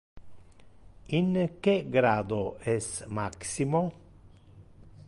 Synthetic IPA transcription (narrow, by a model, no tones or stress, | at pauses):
iŋk̟eɡɾaːd̪oɛsmaksimo